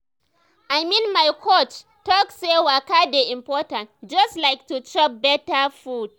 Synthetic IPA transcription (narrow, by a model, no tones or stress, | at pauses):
ʔajminmajkʰot͡ʃ | tɔksewakadeʔɪmpɔːtantd͡ʒɐstlajk̚tut͡ʃɔp̚bɛtafud̥̚